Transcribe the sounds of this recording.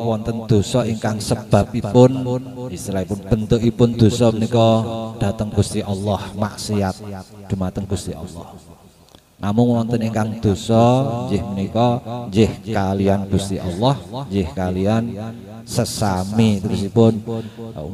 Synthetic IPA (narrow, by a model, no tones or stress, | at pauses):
wɔnt̪ənd̪̥o̤sɔiŋkaŋsəb̥a̤p̚ipʊnist̪iɾaipʊnb̥ə̤nt̪ʊʔipʊnd̪̥o̤sɔmənikɔd̥a̤t̪əŋɡ̥ust̪iʔɔlːɔhma̰siat̪̚d̪̥umat̪əŋɡ̥ust̪iɑ̰lːɔ̰h | nʔamʊŋwɔnt̪əniŋkaŋd̪̥o̤sɔnd͡ʒɪhmənikɔɲd͡ʒɪhkalianɡ̥ṳst̪iʔɑlːɔhɲd͡ʒɪhkalian | səsamit̪uɾʊsipʊn